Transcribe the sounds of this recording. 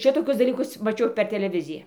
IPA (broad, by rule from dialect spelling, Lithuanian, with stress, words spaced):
ˈʃʲɪtoːkʲʊs dɐˈlʲiːkʊs mɐˈt͡ʃʲɛʊ pʲɛr tʲɛlʲɛˈʋʲɪzʲɪjɛ